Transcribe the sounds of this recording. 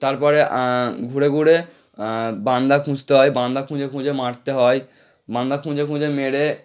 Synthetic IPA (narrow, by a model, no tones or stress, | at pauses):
t̪aɾpɔɾeɡʱuɽeɡʱuɽe | band̪akʰũd͡ʑt̪eɦɔejbãnd̪akʰũd͡ʑekʰũd͡ʑemaɽt̪eɦɔe | bãnd̪akʰũd͡ʑekʰũd͡ʑemeɽe